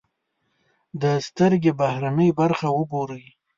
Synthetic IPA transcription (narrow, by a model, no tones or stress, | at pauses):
d̪əst̪əɾɡebahɾanəjbaɾxawəboɾəji